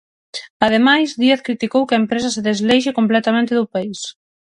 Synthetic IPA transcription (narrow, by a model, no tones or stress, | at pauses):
aðemajsðieθkɾit̪ikowkɪɐempɾesɐseðezlejʃ̬ɪkomplɛt̪amẽnt̪ɪðʊpais